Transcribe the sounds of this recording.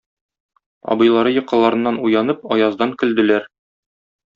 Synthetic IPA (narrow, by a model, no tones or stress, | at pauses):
ɒ̰bɤ̆jlˠɑɾɤjɤ̆qɑ̆lˠɑɾɤ̆nːɑnujɑnɤp̚ɒjɑzd̪ɑŋkɘ̆ld̪ɘ̆læɾ